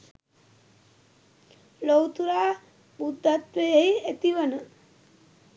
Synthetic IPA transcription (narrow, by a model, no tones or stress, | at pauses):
lowt̪uɾaː | bud̪ʱːat̪ʋejəɦiet̪iʋənə